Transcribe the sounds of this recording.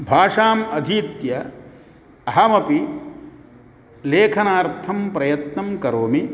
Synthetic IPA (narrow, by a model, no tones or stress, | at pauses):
bʱaːʂaːmɐd̪ʱiːt̪jɐ | ɐɦɐmɐpi | leːkʰɐnaːɾt̪ʰɐmpɾɐjɐt̪nɐmkɐɾoːmi